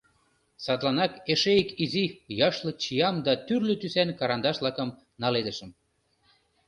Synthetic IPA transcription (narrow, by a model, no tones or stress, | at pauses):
sɑt̪lˠɑnɑkeʃejkizijɑʃlɤ̆t͡ɕijɑmd̪ɑt̪yrløt̪ysænkɑɾɑnd̪ɑʃlɑkə̆m | nɑled̪əʃə̆m